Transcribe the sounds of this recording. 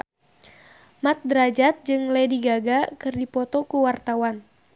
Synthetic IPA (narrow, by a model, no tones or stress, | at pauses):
mat̪̚dɾad͡ʒat̪̚d͡ʒɨŋlediɡaɡakɨrdipɔt̪ɔkuwart̪awan